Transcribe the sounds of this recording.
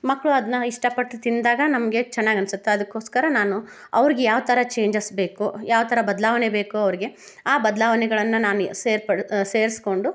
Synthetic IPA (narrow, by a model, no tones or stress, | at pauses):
mɐkːɭuɐd̪ɐnːɐiʂʈɐpɐʈːlit̪ind̪aːɡɐnɐmɐɡe̞t͡ʃɛnːaːɡɐnsut̪ːeɐd̪ɐkːo̞ːskɐɾɐnaːnu | ɐ̰ʋɐɾiɡejaːʋt̪ʰɐɾɐt͡ʃe̞ːɲd͡ʒɐsbe̞ːkujaːʋɐt̪ʰɐɾɐbɐd̪laːʋɐnebe̞ːkuɐʋɐɾiɡe̞ | aːbɐd̪laːʋɐnɛɡɐɭɐnːunaːnuseːɾpɐɽse̞ːɾisko̞ɳɖu